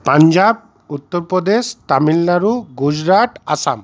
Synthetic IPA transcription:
paɲd͡ʒab̚ | ut̪ːɔɾpɾɔd̪est̪amilːaɾuɡud͡ʒɾaʈasa̰m

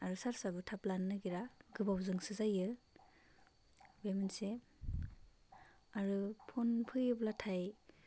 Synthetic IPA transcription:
aɾusaɾsabɯtʰaplanːɯɡiɾaɡɯbawzɯŋsɯzajɯ | bemense | aɾupʰɔnpʰɯjɯblatʰaj

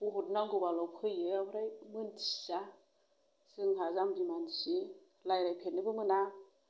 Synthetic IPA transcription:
uɦɔt̚naŋɡubalɔwkʰɯjɯabɾajmɯntʰi̥sa | sɯŋɦazamdimansi | lajɾajpʰenɯbɯmɯna

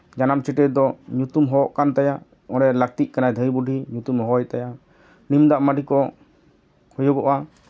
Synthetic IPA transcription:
d͡ʒanamt͡ʃɛʈɛd̪ɔɲut̪umɦɔʔkant̪aja | ɔɾɛlak̚t̪ic̚ˀkanajd̪ʱəjbuɖʱiɲut̪umɦɔjt̪aja | nimd̪aʔmaɖʱikɔ | hɔjɔɡɔʔa

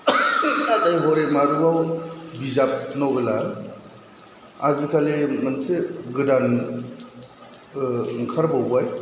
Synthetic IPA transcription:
adajɦɔɾemaɾuawbizap̚nɔɡɯla | a̰zitʰalemɯnseɡɯdan | ŋkʰaɾbawbaj

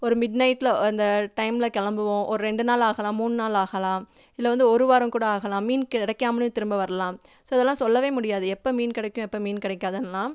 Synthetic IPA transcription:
ɔɾɯmɪɖnɐɪʈːlɐɐnd̪ɐʈɐɪmlɐkɛɭɐmbɯʋõʔɔɾɯɾɛɳɖɯnaːlaːɣɐlãːmuːɳːɯnaːlaːɣɐlãː | ɪlːɐʋɐnd̪ɯɔɾɯʋaːɾɐmkuːɽɐaːɣɐlãːmiːnkɪɽɐkːaːmɐnɯt̪ɪɾɯmbɐʋɐɾɐlãː | soːɪðɛlːãːsɔlːɐʋeːmʊɽɪjaːðɯɛpːɐmiːnkɪɽɐkːʊ̃ɛpːɐmiːnkɪɽɛkːaːðɐnlːãː

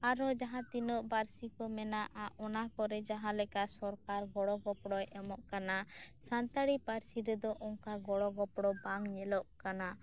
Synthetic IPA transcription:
aɾɔd͡ʒaɦãt̪inɔʔbaɾsikɔmɛnaʔaʔɔnakɔɾɛd͡ʒaɦãlɛkasɔɾkaɾɡɔɽɔɡɔpɽɔjɛmɔʔkanasant̪aɽipaɾsiɾɛd̪ɔʔɔŋkaɡɔɽɔɡɔpɽɔbaŋɲɛlɔʔkana

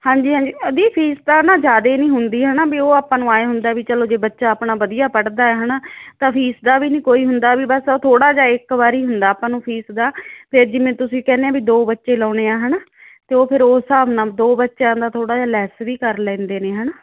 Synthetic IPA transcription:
hãːɲd͡ʒiːɦãːɲd͡ʒiːəd̪iːpʰiːsd̪aːnãːd͡ʒaːd̪eːnĩːɦʊnd̪iːɦənaːbiːoːaːpãːnũːaːeːɦʊnd̪aːbiːt͡ʃəloːd͡ʒeːbətːʃaːpnaːʋəd̪ijaːpəɽd̪aːɛːɦənaːt̪ãːpʰiːsd̪aːbiːnĩːkoːiːɦʊnd̪aːbiːbəsoːt̪ʰoːɽaːd͡ʒaːɪkbaːɾiːɦʊnd̪aːpãːnũːpʰiːsd̪aːpʰɪɾd͡ʒɪmẽːt̪ʊsĩːkɛːneːãːbiːd̪oːbətːʃeːlɔ̃ːɽeːaːɦənaː | t̪eːoːpʰɪɾoːsaːbnãːd̪oːbətːʃãːnd̪aːt̪ʰoːɽaːd͡ʒaːlɛːsʋiːkəɾlɛ̃ːnd̪eːneːɦənaː

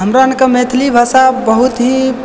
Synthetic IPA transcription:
ɦəmɾankəmet̪ʰlibʱasabəɦut̪ɦĩ

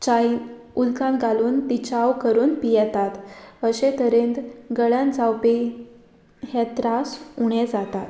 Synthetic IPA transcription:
t͡ɕai | ulkãnɡaluːnt̪it͡ɕawkəɾuːnpijɛt̪at̪əɕet̪əɾent̪ɡəɭãnd͡zawpe | ɦɛt̪ɾasuɳɛd͡zat̪at̪

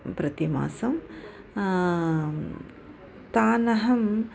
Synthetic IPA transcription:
pɾɐt̪ima̰ːsɐm | t̪aːnɐɦɐm

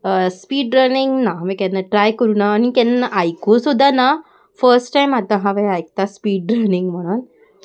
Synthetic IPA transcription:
spiːɖɾəniŋɡnamikɛ̃nːaʈɾajkəɾunaːnikɛ̃nːaʔajkosud̪ʱːana | fəɾsʈʈajmat̪ãɦaʋeajk̚t̪aspiːɖɾəniŋɡm̤əɽ̃un

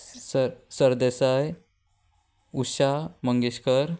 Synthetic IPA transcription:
sɾsəɾd̪esaj | uɕaməŋɡeɕkəɾ

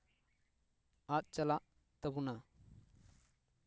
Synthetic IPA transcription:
at̪̚t͡ʃɐlaʔ | t̪əbuna

